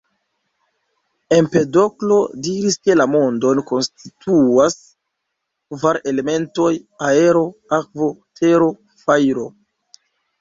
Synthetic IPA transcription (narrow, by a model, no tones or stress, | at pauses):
empe̞do̞klo̞diɾiske̞lamo̞ndo̞nko̞nstitʰuas | kvaɾe̞le̞me̞nto̞jae̞ɾo̞akvo̞tʰe̞ɾo | fajɾo̞